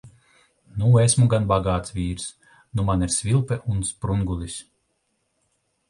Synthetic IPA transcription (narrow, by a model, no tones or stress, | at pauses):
nuesmuɡanbaɡaːt̪svʲiːɾs | numaniɾsvilˠpɛʔunspɾuŋɡulʲˠis